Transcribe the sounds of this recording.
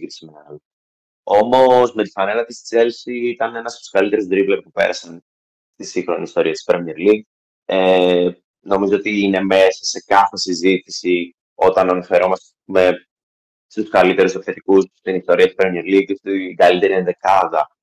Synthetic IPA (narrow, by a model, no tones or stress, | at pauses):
ɾisimenɐɐlo | o̞mo̞zme̞t̪i̥fɐnelɐt̪ist̪i̥t͡se̞lsiit̪ɐne̞nɐsp̪skɐlit̪e̞ɾizd̪ɾiplɐk̚pupe̞̰ɾɐsɐn | st̪isiŋxɾo̞niːst̪o̞ɾiɐt̪i̥spɾemieɾliɡ | e | no̞mizo̞ot̪iine̞me̞sɐse̞kɐθe̞sizit̪i̥si | o̞t̪ɐnɐnɐfe̞ɾo̞mɐst̪eme | st̪uskɐlit̪e̞ɾusekθet̪ikusst̪inist̪o̞ɾiɐt̪ispɾemieɾliɡst̪iɡɐlit̪e̞ɾienðekɐðɐ